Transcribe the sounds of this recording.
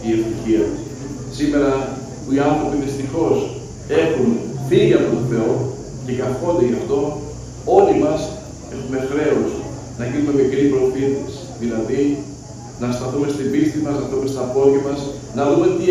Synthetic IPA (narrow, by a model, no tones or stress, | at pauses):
iest̪içiɐ | sime̞ɾɐ | puiɐnθɾo̞piðist̪ixo̞s | e̞xunθiʝɐpt̪oθeo | cekɐfko̞nd̪eʝɐft̪o̞ | o̞limɐs | e̞xume̞xɾe̞os | nɐʝinume̞mikɾipɾofiθisi̥ðilɐði | nɐst̪ɐθume̞st̪ibist̪imɐznɐtume̞st̪ɐpo̞lʝɐmɐs | nɐðume̞t̪i